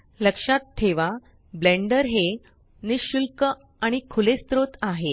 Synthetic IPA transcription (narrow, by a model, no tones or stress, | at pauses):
ləkʂat̪ʰːeʋa | blẽɳɖəɾɦe | niɕulkə | aɽ̃ikʰulest̪ɾot̪aɦe